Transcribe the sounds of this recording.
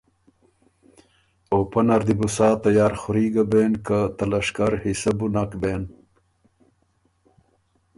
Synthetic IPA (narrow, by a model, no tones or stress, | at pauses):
opɐnɐɾd̪ibusaːt̪ɐjaːɾxuɾiːɡabeːnkat̪ɐlɐʂkaɾhisɐbunakben